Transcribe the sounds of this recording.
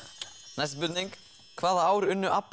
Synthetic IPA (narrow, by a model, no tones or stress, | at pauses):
najst̪pʏt̪niŋk | kʰvaːðaaːwɾʏnːʏʔapː